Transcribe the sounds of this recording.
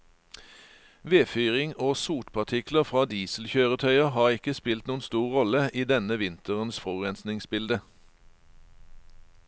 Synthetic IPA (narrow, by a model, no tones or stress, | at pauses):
ʋeːfyːʁɪŋoːsuːʈ̪pʰɑʁt̪ʰɪkləʁfʁɑːd̪iːslçøːʁət̪ʰœʏəhɑːʁɪkəspɪlt̪nuːənst̪uːʁʁɔləʔiːd̪ɛnəʋɪnt̪əʁənsfɔʁɛnsnɪŋsbɪld̪ə